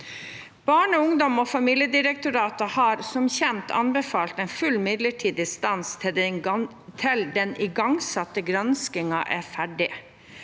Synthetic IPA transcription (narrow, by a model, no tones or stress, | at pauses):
b̥ɑːɳɔʊŋd̪ɔmɔːfɑmiːljəd̪ɪɾɛk̚t̪ʊɾɑːt̪əhɑɾsɔmçɛnt̪ʰɑ̰nbɛfɑːlt̪ɛnfʉlːmɪd̪ləʈʰiːd̪ɪst̪ɑnst̪ʰd̪ | t̪ʰɪld̪ɛnʔɪɡɑŋsɑt̪ːəɡɾɑnskɪŋɑʔæɾfæɖɪ